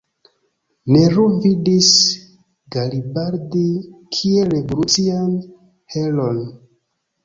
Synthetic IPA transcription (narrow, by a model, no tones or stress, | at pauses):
neɾuvidis | ɡalibaɾdikʰielebɾusian | helo̞n